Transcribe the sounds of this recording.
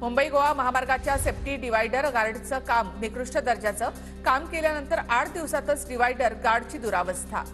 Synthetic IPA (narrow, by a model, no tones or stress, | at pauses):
mumbəiɡoʋaməɦamaɾɡat͡ɕjasepʈiːɖiʋajɖəɾɡaɾɖt͡səkamːikɾuʂʈəd̪əɾd͡ʑat͡səː | kamkeljanənt̪əɾʔaʈʰd̪iʋsat̪ət͡sɖiʋajɖəɾɡaɾɖt͡ɕiːd̪uɾaʋəst̪ʰa̰